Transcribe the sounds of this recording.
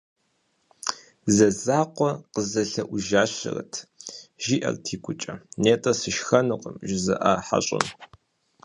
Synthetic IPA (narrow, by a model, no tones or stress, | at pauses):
zɐzaːqʷɔqəzɐɬɐʔʷʊʒaːɕɪrɨtʰʒiːʔɐ̰rtʰiːkʷʰʼʊt͡ʃʼɐneːtʼɐsɨʃxɐnɨqʼəmʒɪzɐʔaːħa̰ɕʼɪ̰n